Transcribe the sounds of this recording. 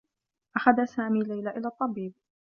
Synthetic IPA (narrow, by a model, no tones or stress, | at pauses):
ʔaxaðasaːmiːlajlaʔɪlaːt̪ˤːɑbiːb̚